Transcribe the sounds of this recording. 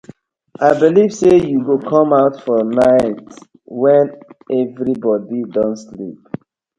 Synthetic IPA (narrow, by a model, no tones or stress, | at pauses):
ʔaɪbiliv̥sejuɡokʰɔ̃maʊtfɔnaɪt | wɛ̃nɛvɹibɔdidɔ̃nslḭp̚